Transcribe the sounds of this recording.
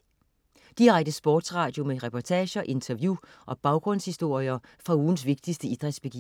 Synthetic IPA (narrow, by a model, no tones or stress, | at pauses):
d̥iʁɑɡ̥̚d̥əsb̥ɔːd̥sʁɑ̈ːd̥jo̝meʁɛpʰɒt͡sʰɛːɕɐʔe̝nt͡sʰɐʋjuʔɒ̽b̥ɑ̈ʊɡ̥ʁɔ̽n̰shisd̥o̝ɐ̰iɐfʁɑ̈uːn̩s̬ʋe̝ɡ̥̚d̥isd̥əid̥ʁɛd̥sb̥e̝ɡ̥ḭː